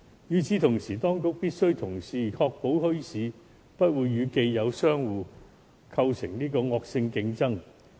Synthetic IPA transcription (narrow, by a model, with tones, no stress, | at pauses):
jyː˨˧t͡sʰiː˨˥t̪ʰʊ˨˩ŋsiː˨˩t̪ɔː˥ŋkʊ˥k̚piː˥t̚sɵ˥ɥt̪ʰʊ˨˩ŋsiː˨˩kʰɔː˧k̚po˨˥whɵ˥ɥsiː˨˧ | pɐ˥t̚wuː˨˧jːyː˨˧ke˧jjɐ˨˧wsœː˥ŋwuː˨˧ | kʰɐ˧wsʰɪ˨˩ŋniː˥kɔː˧ŋɔː˧k̚sɪ˧ŋkɪ˨˧˥ŋt͡sɐ˥ŋ